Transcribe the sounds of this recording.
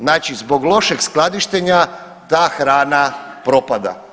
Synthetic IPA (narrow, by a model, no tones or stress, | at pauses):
naːt͡ʃizbo̞ɡlˠo̞ʃeɡsklˠad̪iʃt̪eɲa | t̪aːxɾaːnapɾo̞pad̪a̰